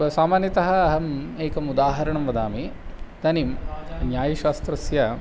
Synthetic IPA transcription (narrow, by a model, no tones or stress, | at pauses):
ɐsaːmaːnjɐt̪ɐɦɐːɦɐmeːkɐmud̪aːɦɐɾɐɳɐmʋɐd̪aːmit̪ɐnimnjaːjɐʃaːst̪ɾɐsjɐ